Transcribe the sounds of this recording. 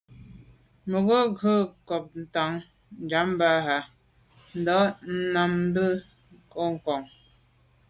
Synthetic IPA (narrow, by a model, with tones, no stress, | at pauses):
mo˨ɡə˦ɡə˦˨kɔ˨p̚n̩˨ta˨˦ŋ | n̩˨d͡ʒa˨˦m˦ba˦˨ɦa˨ | n̩˨dɔ˨˦n̩˦na˨m˦bə˦ | ko˦ŋ̩˨kɔ˨ŋ